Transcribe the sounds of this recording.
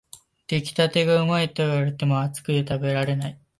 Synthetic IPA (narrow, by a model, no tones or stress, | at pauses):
d̪̥e̞kʲi̥t̪at̪e̞ɡaɯ̟mait̪oiβaɾet̪e̞mo̞at͡sɨ̥kɯ̟jot̪abe̞ɾaɾe̞nai